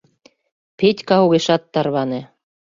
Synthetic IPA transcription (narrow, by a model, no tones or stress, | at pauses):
petʲkɑɦuɣeʃɑt̪ːɑrβɑnĕ